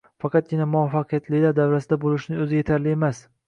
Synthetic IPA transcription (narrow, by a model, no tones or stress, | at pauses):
fɑqʰɑt̪̚ɡʲɪnamʊafːɑqʰɨjat̪lɪd̪aɾd̪awɾasɪd̪abolɪʃnɪŋɵzɪje̞t̪ʰaɾlɪe̞mas